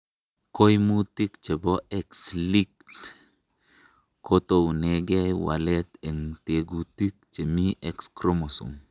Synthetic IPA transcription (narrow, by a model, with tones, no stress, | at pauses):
ko˦jmu˦ti˦kt͡ʃe˨bɔ˦ɛ˦ksli˦k̚t | ko˦to˨nɛ˨ɡɛ˦jwa̰˨lɛ˦t̪e˨ŋte˨ɡu˨ti˦k̚t͡ʃe˨mi˦ʔɛ˨kskɾo˦mo˨sṵ˨ŋ